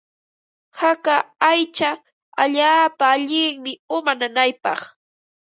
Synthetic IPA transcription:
hakaajt͡ʃa | aʎaːpaːʎɪŋmɪʊmananajpɑχ

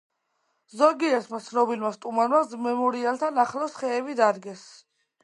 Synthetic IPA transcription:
zɔɡiɛt̪ʰmat̪sʰnɔbilmast̪ʼumanmamɛmɔɾialˠt̪ʰanaχlɔsχɛːvid̪aɾɡɛs

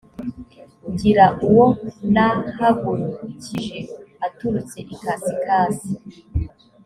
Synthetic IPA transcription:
ɟiɾaʔuwo̞nahaɡuɾucʰiʒeatuɾut͡se̞ʔikasikaːsi

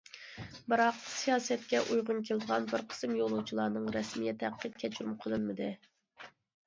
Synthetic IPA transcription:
bɨɾɑqsijɑːsɛt̪̚kʲɛʔujʁʊnkʲʰeld̪əʁɑnbɪɾqʰə̥sɨmjolˠuwt͡ʃʰilˠɑːnɨŋɾɛsmijɛt̪ʰɛqːət̪̚kʲʰɛt͡ʃʰyɾumqʰəlˠɨnmɨd̪ɨ

